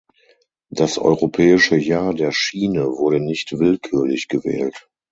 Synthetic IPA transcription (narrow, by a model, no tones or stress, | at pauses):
d̥asʔɔ̰ʏʁopʰɛːɪʃəjaːɐdeːɐʃiːnəvʊɐɾənɪçtv̥ɪlkʰyːɐlɪçɡ̥əvɛ̰ːlt